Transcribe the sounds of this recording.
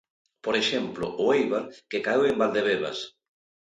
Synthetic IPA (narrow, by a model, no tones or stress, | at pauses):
poɾeʃemplʊ̰ʔʊejβaɾkekaewembald̪eβeβa̰s